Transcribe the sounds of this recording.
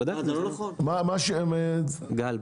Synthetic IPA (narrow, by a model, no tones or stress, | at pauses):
d̪amamaʃeomed̪ɡal